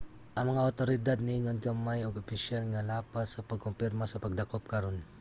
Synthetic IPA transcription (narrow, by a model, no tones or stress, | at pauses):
ʔɐŋmɐŋaot̪oɾɪd̪ad̪̚niɲonɡamajoɡopɪʃalŋalaːpassɐpɐɡ̚kompɪɾmasɐpɐɡ̚d̪ɐkop̚kɐɾon